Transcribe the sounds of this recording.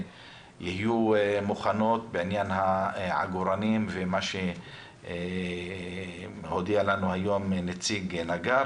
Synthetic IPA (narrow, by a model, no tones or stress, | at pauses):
jihijumuχano̞t̪̚beʕinjanhaʕa̰ɡuɾanimvemaʃe | ho̞d̪ialanuhajo̞mnet͡siɡnaɡa